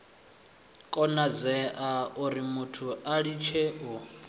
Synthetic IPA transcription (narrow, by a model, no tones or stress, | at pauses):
kʼɔnad͡zɛʔauɾimutʰuaɺit͡ʃʰeʔu